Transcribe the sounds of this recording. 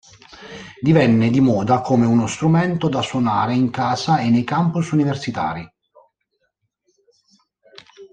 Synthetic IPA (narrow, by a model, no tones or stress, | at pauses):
d̪ivɛnːed̪imɔːd̪akomeunost̪ɾumɛnt̪od̪aswonaːɾeiŋkaːzaenːejkampusuniversit̪a̰ːɾi